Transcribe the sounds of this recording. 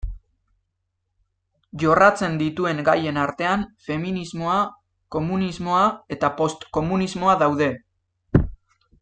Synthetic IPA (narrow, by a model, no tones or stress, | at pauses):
ʝo̞rat͡se̞nd̪it̪ue̞ŋɡaje̞naɾt̪e̞anfe̞minizmo̞a | ko̞munizmo̞ae̞t̪apo̞st̪ko̞munizmo̞aðawðe̞